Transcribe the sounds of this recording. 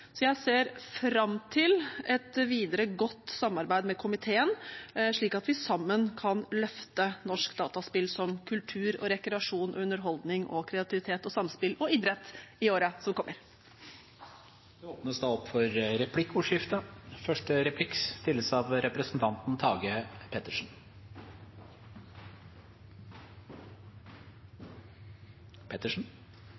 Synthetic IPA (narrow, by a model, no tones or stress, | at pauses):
sɔjæɪseːɾfɾɑmt̪ʰɪlɛt̪ʋiːd̪əɾəɡɔt̪ːsɑmːɑɾbæɪd̪mɛkʰʊmɪt̪ʰeːənʂɭiːkɑt̪ʋɪsɑmːənkʰɑnlœft̪ənɔʂkd̪ɑːt̪ɑspɪlsɔmkʰʉlt̪ʰʉːɾɔ̰ɾɛkɾɛɑʂuːnʔɔ̰ʉnəɾɦɔld̪nɪŋʔɔ̰kʰɾɛɑt̪ʰɪʋɪt̪ʰeːt̪ɔsɑmspɪlɔiːd̪ɾət̪ɪoːɾəsɔmkʰɔmːəɾ | d̪ɛoːpnəsd̪ɛːɔpːfɔɾɾɛpʰlɪkːuːʂjɪft̪əfœʂʈəɾɛpʰlɪkst̪ɪlːəsɑʋɾɛpɾəsnt̪ʰɑnt̪n̩t̪ʰɑːɡəpʰɛt̪əʂn̩ | pʰɛt̪əʂɳ̩